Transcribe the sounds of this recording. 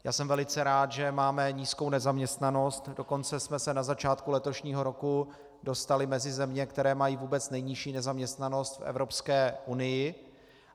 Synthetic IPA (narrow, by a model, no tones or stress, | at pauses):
ja̰ːsɛmvɛlɪt͡sɛɾaːt̪ʒɛmaːmɛɲiːskownɛzamɲɛst̪nano̞st̪do̞ko̞nt͡sɛsmɛsɛnazat͡ʃaːt̪kulɛt̪o̞ʃɲiːɦo̞ɾo̞ku | do̞st̪alɪmɛzɪzɛmɲɛkt̪ɛɾɛːmajiːvuːbɛt͡snɛjɲɪʃiːnɛzamɲɛst̪nano̞st̪fɛ̰vɾo̞pskɛːʔunɪjɪ